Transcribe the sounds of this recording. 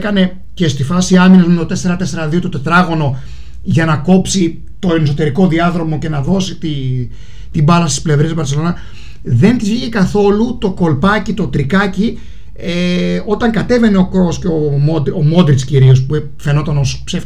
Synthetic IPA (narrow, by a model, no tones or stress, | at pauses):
kɐne̞ | ce̞st̪ifɐsiɐminɐzmint̪ot̪e̞se̞ɾɐt̪e̞se̞ɾɐðio̞t̪ot̪et̪ɾɐɣo̞no̞ | ʝɐnɐko̞psi | t̪o̞nesot̪e̞ɾiko̞ðiɐðɾo̞mo̞ce̞nɐðo̞sit̪i | t̪ibɐlɐst̪i̥sple̞vɾesvɐɾse̞lo̞nɐ | ðe̞nt̪isçiʝikɐθo̞lut̪o̞ko̞lpɐcit̪o̞t̪ɾikɐci | eo̞t̪ɐŋkɐt̪e̞ve̞ne̞o̞kɾosceo̞mod̪omo̞d̪ɾisciɾio̞spue | fe̞no̞t̪ɐno̞spsef